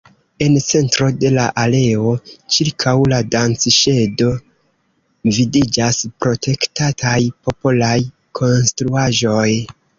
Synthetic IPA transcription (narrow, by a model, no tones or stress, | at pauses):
e̞nt͡se̞ntɾo̞de̞laʔale̞o̞t͡ʃiɾkʰawladant͡sʃe̞do̞ | vidid͡ʒaspɾo̞tʰe̞ktatʰajpo̞polaj | kʰo̞nstɾuaʒo̞j